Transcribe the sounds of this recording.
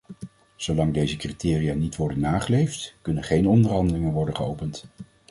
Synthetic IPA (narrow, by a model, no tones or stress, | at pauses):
z̥owlɑŋdejzəkritɪːrijaːnitʋɔɹdənːaːχəlejftkɵnəχejnɔndərɦɑndəlɪŋənʋɔɹdəχəowpənt